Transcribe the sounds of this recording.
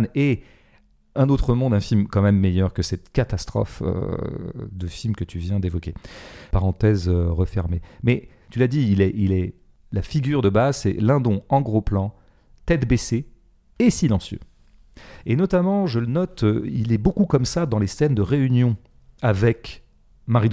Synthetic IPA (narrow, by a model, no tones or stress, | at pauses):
ne | ɛ̃not̪χəmɔ̃d̪ɛ̃filmkɑ̃mɛmːejœʁkəsɛt̪kat̪ast̪χɔ̰fø̰ | d̪əfilmkət̪yvjɛ̃d̪evɔkʲepaʁɑ̃t̪ɛzøʁəfɛʁmemɛ | t̪ylad̪iilɛʔilɛ | lafiɡʲyʁd̪əbazsɛ̰lɛ̃d̪ɔ̃ɑ̃ɡʁoplɑ̃ | t̪ɛt̪bese | esilɑ̃sjø̰ | enɔt̪amɑ̃ʒələnɔt̪øilɛbokukɔmsad̪ɑ̃lesɛnd̪əʁeynjɔ̃ | avɛk | maʁid̪